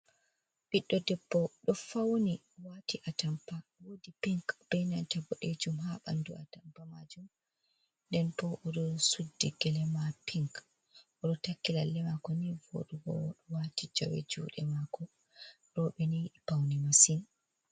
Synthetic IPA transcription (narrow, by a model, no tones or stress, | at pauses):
ɓiɗːɔdɛbːɔɗɔfawni | watiʔatampawodipiŋkb̥ɛjnantabɔɗed͡ʒumɦaɓa̰ndṵatampamad͡ʒum | ndɛnpɔʔɔɗɔsudːiɡɛlɛmapʰiŋk | ʔɔɗɔtakːilalːɛmakɔnivo̰ɗuɡɔ̰ɗɔwatid͡ʒɔ̰wɛ̰d͡ʒṵːɗɛmakɔ | ɾɔɓɛnijiɗipawnimasin